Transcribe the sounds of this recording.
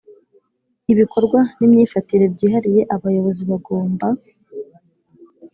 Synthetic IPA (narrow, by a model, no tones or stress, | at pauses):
iβikʰo̞ɾɡwanimɲiːfatiɾe̞bɟiːɦaɾije̞ʔaβajo̞βo̞ziβaɡo̞ːmba